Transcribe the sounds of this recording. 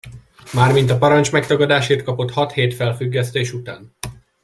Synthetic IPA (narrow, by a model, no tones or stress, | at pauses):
maːrmint̪ɒpɒɾɒnt͡ʃmɛkt̪ɒɡɒd̪aːʃeːt̪̚kɒpo̞t̪hɒt̪heːt̪fɛlfyɡːɛst̪eːʃut̪a̰ːn